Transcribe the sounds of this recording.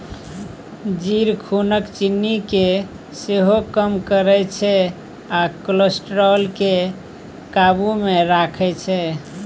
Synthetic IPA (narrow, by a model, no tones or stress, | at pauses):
d͡ʒiɾkʰunəkt͡ʃinːike | seɦokəmkəɾɛt͡ʃʰɛ | akləsʈɾɔlke | kabumeɾakʰɛt͡ʃʰɛ